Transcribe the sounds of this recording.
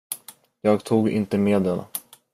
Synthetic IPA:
jɑːɡt̪ʰuːɡɪ̰nt̪əmeːd̪ɛn

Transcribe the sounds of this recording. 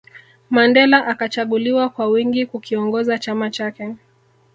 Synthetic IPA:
mandɛlaʔakat͡ʃaɠuliwakwawiŋɡikukiɔŋɡɔzat͡ʃamat͡ʃakɛ

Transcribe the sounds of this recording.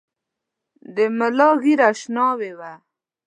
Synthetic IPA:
d̪əmɪlɑɣiɾaʃnɑwewa

